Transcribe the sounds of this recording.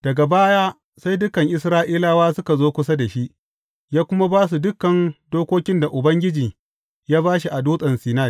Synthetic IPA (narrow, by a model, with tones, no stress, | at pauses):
d̥ɐ˨ɡa˨baː˦jaː˦ | sa˦jdʊ˦kɐ˨ŋʔɪ˨sɾaː˦ʔiː˦laː˦waː˦sʊ˦ka˨zoː˦kʷʊ˦sa˦da˨ʃi˦ʔ | jaː˦kʷʊ˦ma˦baː˦s̬u˨dʊ˦kːɐ˨ndoː˦kʷoː˦kʲɪ˦nda˨ʔʊ˨bɐ˦ŋɡʲɪ˦d͡ʒiː˨ | jaː˦baː˦ʃi˨ʔa˨duː˦sʼɐ˨nsiː˨naː˦˨